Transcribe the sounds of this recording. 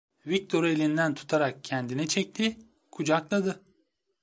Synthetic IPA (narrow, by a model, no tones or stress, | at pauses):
vic̚t̪ʰo̞ɾelʲind̪ænt̪ʰu̥t̪ʰaɾak̚cʰɛnd̪inɛt͡ʃʰɛc̚t̪ʰi | kʰud͡ʒaklˠad̪ɯ